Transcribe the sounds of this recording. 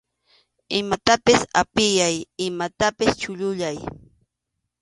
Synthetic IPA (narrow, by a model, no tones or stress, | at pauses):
ɪmat̪apɪsa̰pɪjajɪmat̪apɪst͡ʃʊʎʊʎaj